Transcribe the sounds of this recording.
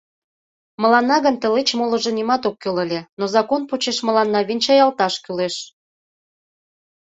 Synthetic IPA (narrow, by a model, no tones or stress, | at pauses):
mə̆lɑnːɑɣənt̪ə̆let͡ɕmolə̆ʒə̆nimɑt̪okːølə̆lʲenozɑkonput͡ɕeʃmə̆lɑnːɑβinʲt͡ɕɑjɑlt̪ɑʃkyleʃ